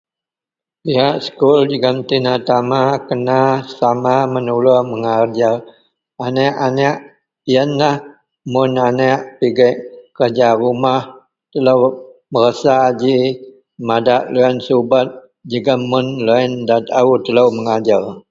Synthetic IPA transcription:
piɦaʔsə̥kuld͡ʒəɡamt̪inat̪amakənasamamənulɔhməŋard͡ʒar | anɛʔanɛʔ | jənlah | mʊnanɛʔpiɡaʔkərd͡ʒarumah | t̪ələwməɾəsad͡ʒi | madaʔluansubat̪̚ | d͡ʒəɡamːʊnloindat̪aut̪ələwməŋad͡ʒar

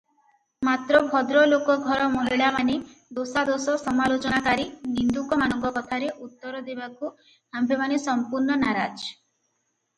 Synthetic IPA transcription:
mat̪ɾɔbʱɔd̪ɾɔlokɔɡʱɔɾɔmɔɦiɭamanid̪osad̪osɔsɔmalot͡ʃɔnakaɾinind̪ukɔmanɔŋɡɔkɔt̪ʰaɾeʔut̪ːɔɾɔd̪ebaku | ambemanisɔmpuɾnɔnaɾad͡ʒ

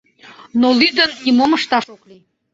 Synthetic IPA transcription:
nolyd̪ənʲimoməʃt̪ɑʃokli

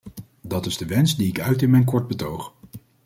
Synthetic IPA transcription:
dɑtɪzdəʋɛnsdiɪkœɥtɪnmɛjnkɔɹd̚bətowχ

